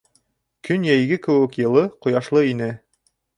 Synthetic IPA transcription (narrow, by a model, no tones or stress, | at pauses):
kʰɵnjæjɡɘkɘ̆wɘ̆kjɤ̆lˠɤqŏjɑʃlˠɤinɘ